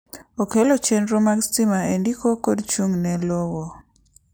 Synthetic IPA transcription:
okelot͡ʃenɾomaɡstimaendikokodt͡ʃuŋnɛlowo

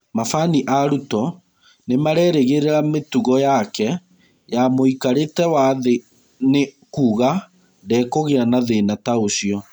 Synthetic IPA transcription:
mafaniʔaɾutɔ | nemaɾɛːɾeɣeɾeɾametuɣɔjakɛ | jamoikaɾetɛwaðe | ne | kuːɣa | dɛːkoɣeɾanaðenataoɕiɔ

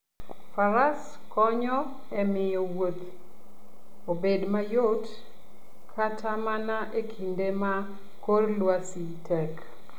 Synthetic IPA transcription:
faɾas | kɔɲɔ | ɛmɪjɔwot̪ | obedmajot | kʰatʰamanaʔekʰindema | korlwasitʰɛk

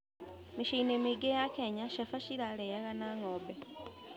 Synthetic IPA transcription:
miʃiinemiɡejakeɲaʃafaʃiɾalejaɣanaŋoːbe

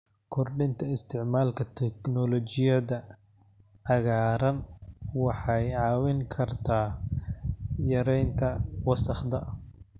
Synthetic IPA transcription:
kʰɔrɖɪnt̪ʰɐɪst̪ʰɪʕmaːlkʰɐt̪ʰɛknɔlɔt͡ʃɪjɐðɐ | ʕɑɣaːɾɐnwɑħɑjʕɑːwɪŋkʰɐrt̪ʰaː | jɐɾɛjnt̪ʰɐwɐsɐχd̪ɐ

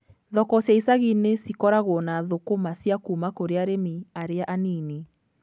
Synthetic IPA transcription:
ðɔkɔsaisaɣinesikɔɾaɣɔnaðokomasjakuːmakoɾeaɾemiaɾeaʔaniːni

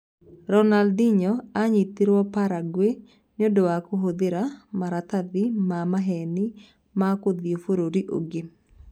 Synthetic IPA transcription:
ɾɔnaldɪɲɔaɲit̪iɾwɔpaɾaɡwe | nodoakoɦod̪ɪɾamaɾat̪ad̪ɪmamaɦɛnɪ | makod̪iofoɾoɾiʔo̰ɡɪ

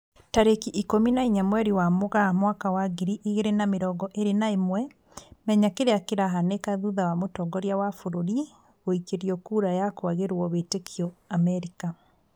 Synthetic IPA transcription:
taɾekiʔikominaiɲamwɛɾiwamoɣamwakawaɣiɾiʔiɣeɾenameɾɔɡɔʔeɾenaemwɛ | mɛɲakeɾeakeɾaɦanekaðuðawamotɔɡɔɾjawafoɾoɾi | ɣoikeɾiɔkuːɾajakwaɣeɾɔβetekʰjɔamɛɾika

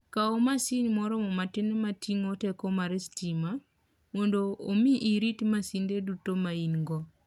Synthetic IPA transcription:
kaɔmasiɲmɔɾɔmɔmatɪnmatiŋotɛkɔmaɾɛstima | mɔndoːmiʔiɾitmasindedutomainɡɔ

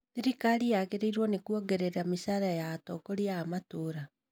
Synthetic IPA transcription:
eɾikaɾiaɣeɾeiɾwɔnekuɔɡeɾeɾamisaːɾajaːtɔkoɾiaːmatoːɾa

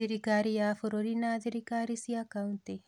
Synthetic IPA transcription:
iɾikaːɾijaːfoɾoɾinaðiɾikaɾisiakaunt̪e

